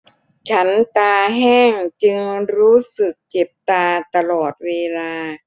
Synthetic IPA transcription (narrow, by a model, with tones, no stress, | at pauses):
t͡ɕʰa˦˥nt̪aː˧ɦɛː˥˩ŋt͡ɕɯ˧ŋɾuː˦˥sɯ˨˩k̚t͡ɕe˨˩p̚t̪aː˧t̪a˧lɔː˨˩t̪̚weː˧laː˧